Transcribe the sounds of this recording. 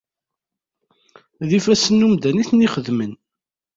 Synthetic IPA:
ðifæsənːumd̪æniθniχəðmən

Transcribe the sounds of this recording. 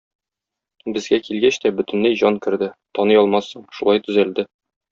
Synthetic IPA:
bɘ̆zɡækilɡæɕt̪æbɵ̆t̪ɘ̆nlæjʑɒŋkɘ̆ɾd̪ɘt̪ɒnɤjɒlˠmɑsːɤɴʃulˠɑjt̪ɵ̆zæld̪ɘ

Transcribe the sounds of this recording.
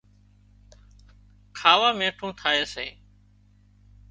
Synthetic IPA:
kʰaːʋaːmẽːʈʰũːt̪ʰaːeːseː

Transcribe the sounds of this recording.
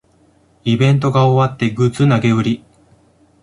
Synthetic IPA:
ibẽ̞nt̪̬o̞ɡaoβat̪ːe̞ɡɯ̟t͡sɨnaɡe̞ɯ̟ɾʲi

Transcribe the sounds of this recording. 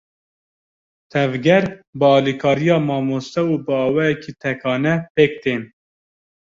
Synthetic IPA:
t̪ʰɛvɡɛɾbɨɑːlikʰɑːɾijɑːmɑːmoːst̪ɛuːbɨɑːwɛːjɛkʰiːt̪ʰɛkʰɑːnɛpeːk̚t̪ʰeːn

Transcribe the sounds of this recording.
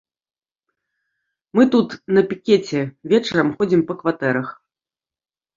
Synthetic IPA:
mɨt̪ut̪nɐpʲikʲet͡sʲɛvʲɛt͡ʂɐɾɐmxɔd͡zʲimpɐkvat̪ɛɾɐx

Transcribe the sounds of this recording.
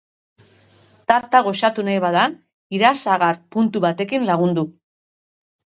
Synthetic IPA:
t̪aɾt̪aɣ̞o̞ʃat̪unajβaðan | iɾasaɣaɾpunt̪uβat̪e̞kinlaɣ̞und̪u

